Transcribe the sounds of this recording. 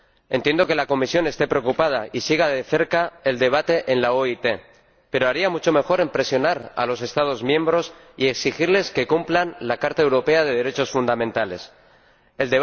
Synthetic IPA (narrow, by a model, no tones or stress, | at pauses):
ent̪je̞nd̪o̞ke̞lako̞misjo̞ne̞st̪e̞pɾeokupað̞aisiɣ̞aðe̞θe̞ɾkae̞ld̪e̞β̞at̪e̞ʔenlaoit̪e̞ | pe̞ɾoaɾiamut͡ʃo̞me̞xo̞ɾe̞mpɾe̞sjo̞naɾa̰lo̞se̞st̪að̞ozmjẽ̞mbɾo̞s | ie̞ksixiɾle̞ske̞kumplanlakaɾt̪aewɾo̞pe̞að̞e̞ð̞eɾe̞t͡ʃo̞sfund̪amẽnt̪ale̞̰s | eld̪e